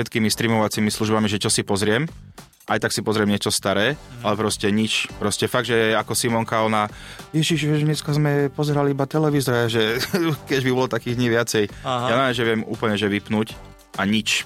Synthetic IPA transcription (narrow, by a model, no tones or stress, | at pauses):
ʃɛt̪kimist̪ɾiːmɔʋat͡simisluʒbamiʒɛt͡ʃɔsipɔzɾɪɛm | ʔajt̪aksipɔzɾɪɛmɲɪɛt͡ʃɔst̪aɾɛːalɛpɾɔscɛɲit͡ʃpɾɔscɛfaɡ̚ʒɛɛakɔsimɔŋkaɔna | jɛʒiʒuʒɲɛskazmɛpɔzɛɾaliibat̪ɛlɛʋizɔɾaʒɛkɛʒbibɔlɔt̪akiːɣd̪ɲiːʋɪat͡sɛjjanaɛʒɛʋɪɛmṵːpl̩ɲɛʒɛʋipnuːc | ʔaɲit͡ʃ